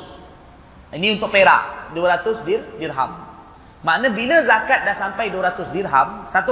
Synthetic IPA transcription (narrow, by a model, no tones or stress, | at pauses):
inĩunt̪ʊʔ̚peɾa̰ʔduəɾat̪ʊsdirdirɦa̰mː | aʔnə̃biləzakat̪̚dahsampajduəɾat̪ʊsdirɦamsat̪u